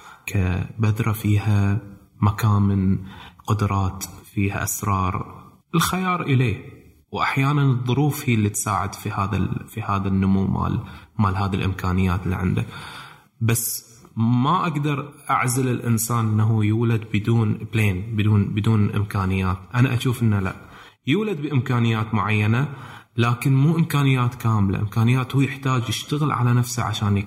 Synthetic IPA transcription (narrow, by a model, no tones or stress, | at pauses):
kʰabad̪ɾˤɑfiːha | makaːmɪnqʊd̪ɾˤɑːt̪fiːha̰ʔasɾˤɑːɾˤ | ʔɪlxajɑːɾˤʔɪleː | wʔaħjaːnanɨðˤːʊɾuːfhijːlːit̪saːʕɪ̰d̪fihaːða̰fihaːðanːʊmuːma̰ːlmaːlhaːðilʔɪmkʰaːnɪjːaːt̪ɪlːḭʕɪ̰nd̪a | basː | maʔaɡd̪ɑɾˤʔa̰ʕzalɪlʔɪ̰nsaːnʔnːaɦujuːlad̪̚bɪd̪uːnbleːnbd̪uːnbɪd̪uːnʔɪ̰mkaːnɪjːaːt̪ʔanaʔaʃuːfʔɪnːala̰ʔ | juːlad̪̚bɪʔɪmkaːnɪjːaːt̪mʊʕajːana | laːkɪnmuːʔɪmkaːnɪjːaːt̪kaːmla̰ʔɪmkaːnɪjːaːt̪huːjɪħt̪aːd͡ʒjɪʃt̪aɣɪlʕa̰lanafsa̰ʕa̰ʃaːnj